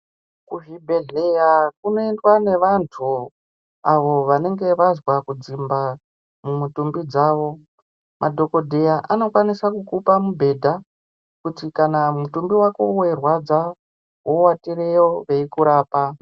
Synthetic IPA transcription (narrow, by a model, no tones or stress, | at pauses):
kuɦibʱe̞ɮejakunoendwane̞ʋantʰu | aʋo̞ʋane̞ŋɡe̞ʋazwakud͡zimba | mumutumbid͡zaːʋo̞ | mʔadʱo̞ko̞dʱe̞jaʔano̞kwanisakukupamubʱe̞dʱa | kutikanamutumbiwako̞̰we̞rwad͡za | wo̞watiɾejo̞ʋe̞ikuɾaːpa